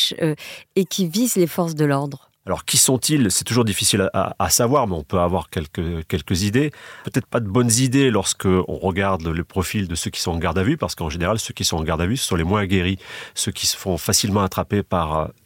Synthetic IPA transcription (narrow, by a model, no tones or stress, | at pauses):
ʃ | ekʲivizlefɔʁs̬d̪əlɔʁd̪ʁ | alɔ̰ʁkʲisɔ̃t̪ʰilsɛ̥t̪uʒuʁd̪ifisilaʔa̰a̰savwaʁmɛɔ̃pøavwaʁkʲɛlkəkʲɛlkəzid̪epøt̪ɛt̪χə̥pad̪əbɔnzid̪elɔʁsə̥kəɔ̰̃ʁəɡaʁd̪lepχɔfild̪əsøkʲi̥sɔ̃ɑ̃ɡaʁd̪avypaʁsə̥kɑ̃ʒeneʁalsøkʲisɔ̃ɑ̃ɡaʁd̪avysə̥sɔ̃lemwɛ̃ɡʲeʁisøkʲi̥sə̥fɔ̃fasilmɑ̃at̪χapepaʁø̰